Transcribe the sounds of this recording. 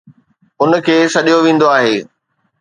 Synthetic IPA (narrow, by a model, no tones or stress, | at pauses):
ʊnkʰeːsɐɗijoʋẽːn̆d̪oaːɦeː